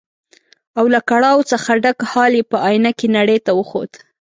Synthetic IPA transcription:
awlakaɽɑwt͡səxaɖakhɑlepəɑjnakenaɽejt̪awəxo̰d̪

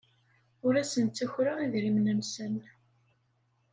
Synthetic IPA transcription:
ʊɾæsənt̪ːæçɾaiðɾimnəmsən

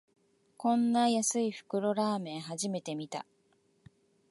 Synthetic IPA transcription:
kõ̞nːajasɨiɸɯ̟̥kɯ̟ɾo̞ɾaːmẽ̞ɰ̃ɦaʑime̞t̪e̞mʲit̪a̰

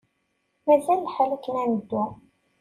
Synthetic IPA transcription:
mæzælːħəlːəkənænəd̪ːu

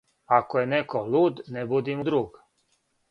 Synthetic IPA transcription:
akojenekoluːd̪nebud̪imud̪ɾuːɡ

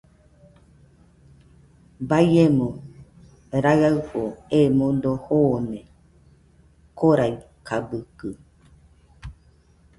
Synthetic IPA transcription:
bajemõ | ɾaɰahoemõd̪ohoːnẽ | koɾai | kʰabɯkɯ

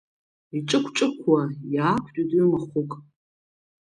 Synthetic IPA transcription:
iʈ͡ʂʼɨkʷʰʈ͡ʂʼɨkʷʰːajaːkʷʰtʼutʼimaχʷʊkʼ

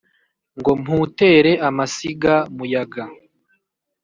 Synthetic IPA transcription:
ŋɡo̞m̥huːte̞ɾe̞ʔamasiɡamujaɡa

